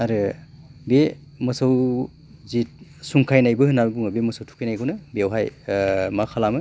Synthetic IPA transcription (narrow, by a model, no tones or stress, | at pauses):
aɾɯbe | mɯsaw | zit̚suŋkʰajnajbɯhɯnːabbuŋabemɔsawtʰu̥kʰajnajkʰɯnɯbeawɦajmakʰalamɯ